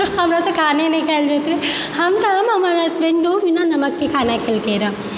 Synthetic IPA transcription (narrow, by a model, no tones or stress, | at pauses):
ɦɐmɾat̪okʰaːnenɐikeld͡ʒet̪ɾe | hɐmt̪amɐmaɾasʋenɖoʋinanɐməkːikʰaːnakʰelkeɾa